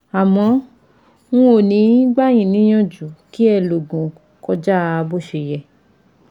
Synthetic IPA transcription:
a˨mɔ̃˧˦ | ŋũ˦o˦˨nĩ˨˦ɡ͡ba˦˨j̃ĩ˦˨nĩ˨˦j̃ɔ̃˦˨d͡ʒu˨ki˦ɛ˧˨lo˨ɡũ˨ | kɔ˧d͡ʒa˦˧bo˦ʃe˧˨jɛ˨

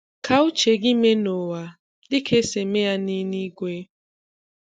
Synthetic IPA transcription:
kʰa˨u˦t͡ʃe˨ɡɪ˦me˦no˨wa˨ | dɪ˦kʰe˦se˨me˦ja˦ni˦ni˦ɡʷe˦

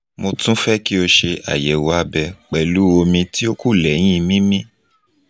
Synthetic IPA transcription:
mo˧tũ˦fɛ˦ki˦o˧ʃe˧a̰˨jɛ˨wa˧bɛ˧k͡pɛ˨lu˨˦o˧mĩ˧ti˦o˦ku˦˨lɛ˨˦j̃ĩ˦˧mĩ˦mĩ˦

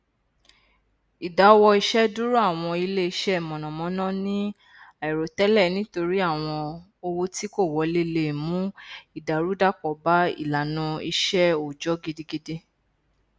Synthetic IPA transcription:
i˨da˨˦˧wɔ˧i˧ʃɛ˦du˦ɾu˦a˦˨w̃ɔ̃˧i˧le˦i˧ʃɛ˦˨mɔ̃˨nɔ̃˨mɔ̃˨˦nã˦nĩ˦ | a˦˨ɛ˨ɾo˨tɛ˨˦lɛ˦˨nĩ˦to˧ɾi˦a˦˨w̃ɔ̃˧ | o˧wo˧ti˦ko˦˨wɔ˨˧le˦˧le˦˨mũ˨˦i˦˨da˨ɾu˨˦da˦kɔ˨ba˦ḭ˦˨la˨nũ˧ḭ˧ʃɛ˦o˨d͡ʒɔ˨˦ɡe˧de˧ɡe˧de˧

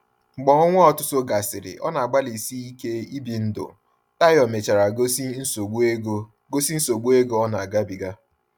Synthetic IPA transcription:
ŋ͡m̩˨ɡ͡bɔ˨ɔ˦ŋʷʊ˦ɔ˨tʊ˦so˦ɡa˨sɪ˨ɾɪ̰˨ʔɔ̰˦na˨a˨ɡ͡ba˦li˨si˦i˦ke˦i˦bi˨n̩˦dʊ̰˨ | ta˦jɔ˨me˨t͡ʃa˨ɾa˨˦˨ | ɡo˦si˦n̩˦so˨ɡ͡bu˦e˦ɡo˦ɔ˦na˨a˨ɡa˦bi˨ɡa˦

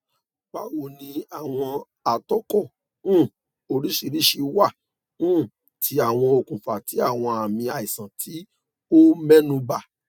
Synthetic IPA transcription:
k͡pa˨˦wo˨nĩ˧a˨w̃ɔ̃˧ | a˨tɔ˦kɔ̃˦˨˦ | o˧ɾi˦ʃi˧ɾi˦ʃi˧wã˦˨˦ | tʰi˨˦a˦˨w̃ɔ̃˧o˨kũ˨fa˨ti˨˦a˦˨w̃ɔ̃˧a˨mĩ˧a˨i˨sã˨tʰi˨˦ | o˦mɛ˦nũ˧ba˦˨

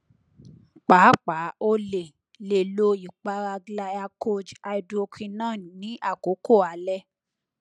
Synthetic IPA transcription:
k͡pa˨˦k͡pa˨˦o˧le˨ | le˨lo˧i˨k͡pa˧ɾa˧ɡla˧˦a˧kʰo˦d͡ʒa˧i˦˧do˦o˧kʰĩ˧nã˦˨˦nĩ˨˦ʔa˦˨ko˨˦ko˦˨a˨˧lɛ˦

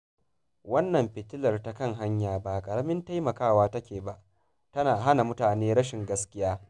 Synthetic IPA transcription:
wɐ˦nːɐ˨mɸɪ˨tɪ˦lɐ˨rta˨˦kɐ˦˨ŋɦa˦ɲjaː˨baː˨kʼɐ˨ɽɐ˦mɪ˦nta˦jmɐ˨kaː˦waː˦tɐ˦kʲeː˨ba˨ʔ | tɐ˦naː˨ɦa˦na˨mʊ˦taː˨neː˦ɽɐ˦ʃɪ˨ŋɡɐ˦skʲɪ˦jaː˦

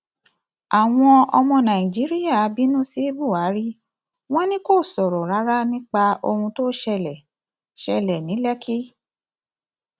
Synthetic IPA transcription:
a˨w̃ɔ̃˧ɔ˧mɔ̃˧nã˨ĩ˨d͡ʒi˨˦ɾi˦ja˦˨a˨˦bi˦nũ˦si˦bu˦˨a˨˦ɾi˦ | w̃ɔ̃˦nĩ˦ko˦˨sɔ˨ɾɔ˨ɾa˨˦ɾa˦nĩ˦k͡pa˧o˧hũ˧to˦ʃɛ˧lɛ˨ | ʃɛ˧lɛ˨nĩ˨˦lɛ˦kʰi˦

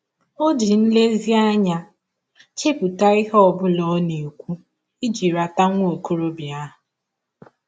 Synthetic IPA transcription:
o˦d͡ʒi˨n̩˦le˦zi˦a˦ɲa˨ | t͡ʃe˦pu˨ta˦i˦ɦɔ˨bʊ˦lɔ˦ne˨kʷu˦ | i˦d͡ʒi˨ɾa˨ta˦ŋʷ˦o˨ko˦ɾo˦bja˦ɦʊ˨

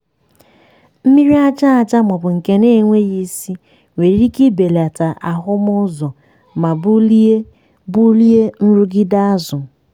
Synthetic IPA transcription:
m̩˦mi˦ɾi˦a˦t͡ʃa˦a˨t͡ʃa˦mɔ˨bʊ˨ŋ̩˨ke˦ne˦˨ŋʷe˦ɣi˦si˦ | ŋʷe˨ɾi˦ki˦be˨la˨ta˨ʔa˨ɦʊ˦mʊ˦zɔ˨ | ma˨bu˦le˦ | bu˦li˦e˦n̩˦ɾu˦ɡɪ˦da˦a˦zʊ˨

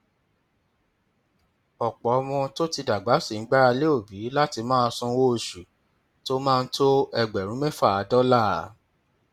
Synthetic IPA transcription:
ɔ˨k͡pɔ˨ɔ˦˧˦w̃ɔ̃˧to˦ti˧da˨ɡ͡ba˨˦si˦˨ŋ̩˦ɡ͡ba˦ɾa˧le˦o˦˨bi˨˦la˦ti˧mãː˦˧sũ˧˦wo˦o˧˨ʃu˨ | to˦mãː˦˧n̩˦tʰo˦ɛ˧ɡ͡bɛ˨ɾ̃ũ˨˦me˦fa˦˨a˨˦dɔ˦la˦˨˦

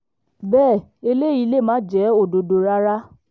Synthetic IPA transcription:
bɛː˦˨e˧le˦˨i˧le˦˨mã˨˦d͡ʒɛ˨˦o˦˨do˨do˧ɾa˦ɾa˦

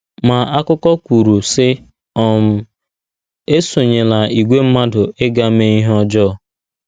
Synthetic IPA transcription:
ma˨a˦kʊ˦kɔ˦kʷu˨ɾu˨sɪ˦ | ɔ˦˨m̩˨ | e˦so˨ɲe˨la˨i˨ɡʷe˦m̩˦ma˦dʊ˨ʔe˦ɡa˦me˦i˦ɦɔ˦d͡ʒɔ˦˨

